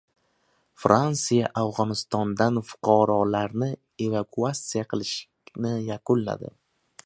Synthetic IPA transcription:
fɾansijaʔavʁɒnɪst̪ɒnd̪anfʊ̥qʰɑɾɒlaɾnɪ | e̞vakʰuat̪sijaqʰɨlˠɪʃ | nɪjaqʰʊlːa̰d̪ɪ̰

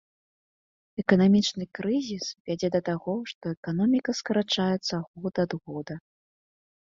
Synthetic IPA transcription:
ɛkɐnamʲit͡ʂnɨkɾɨzʲisvʲad͡zʲɛd̪ɐt̪aɣɔʂt̪ɔɛkanɔmʲikɐskɐɾat͡ʂajɛt̪sːɐɣɔd̪ad̪ɣɔd̪ɐ

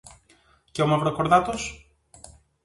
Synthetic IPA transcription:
ceomɐvɾokoɾðɐt̪o̞s

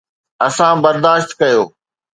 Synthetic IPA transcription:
ɐsãbɐɾd̪aːʃt̪kɐjoː

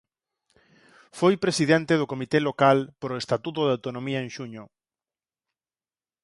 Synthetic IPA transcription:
fojpɾesiðent̪eðʊkomit̪elokalpoɾoest̪at̪ut̪oðawt̪onõmiɐeŋʃuɲʊ

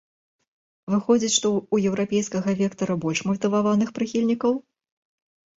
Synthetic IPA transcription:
vɨxɔd͡zʲit͡sʲʂt̪ɔujɛwɾapʲɛjskɐɣɐvʲɛkt̪ɐɾɐbɔlʲʂmɐt̪ɨvavanɨxpɾɨxʲilʲnʲikɐw

